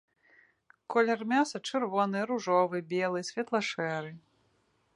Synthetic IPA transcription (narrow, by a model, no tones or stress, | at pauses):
kɔlʲɛrmʲasɐt͡ʂɨrvɔnɨɾuʐɔvɨbʲelˠɨsʲvʲɛt̪lˠɐʂɛɾɨ